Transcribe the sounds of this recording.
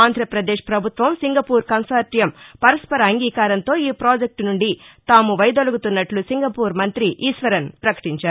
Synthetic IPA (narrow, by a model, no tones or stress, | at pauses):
aːnd̪ʱɾɐpɾɐd̪ɛːʂpɾɐbʱut̪ʋɐmsiŋɡɐpuːɾkɐnsaːɾʈijɐmpɐɾɐspɐɾɐːŋɡiːkaːɾɐnt̪o̞ːiːpɾoːd͡ʒek̚ʈnuɳɖit̪aːmuʋɐjd̪oluɡut̪unːɐʈlusiŋɡɐpuːɾmɐnt̪ɾiʔiːsʋɐɾɐnpɾɐkɐ̥ʈiɲt͡ʃaːɾu